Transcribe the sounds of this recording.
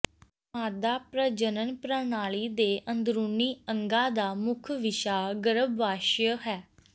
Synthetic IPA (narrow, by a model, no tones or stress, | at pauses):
maːd̪aːpɾəd͡ʒənənpɾənaːliːd̪eːʔənd̪ɾuːniːəŋɡaːd̪aːmʊkʰʋɪʃaːɡəɾəbːaːʃjəɦɛː